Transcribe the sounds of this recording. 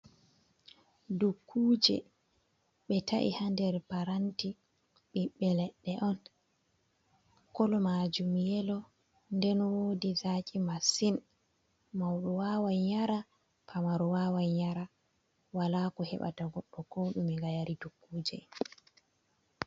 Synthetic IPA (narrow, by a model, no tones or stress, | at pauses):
dukʰːuːd͡ʒɛ̰ | ɓɛtaʔḭhandɛɾpaɾanti | ɓɛɓɛlɛɗːɛʔɔn | kɔlɔmad͡ʒumjɛlɔ | ndɛnwoːdizaːkʼimasin | mawɗɔwawajɲaɾa | pʰamaɾɔwaːwajɲaɾa | walaːkɔhɛ̰ɓa̰taɡɔɗːɔkɔɗumiŋɡajaɾidukːuːd͡ʒɛ̰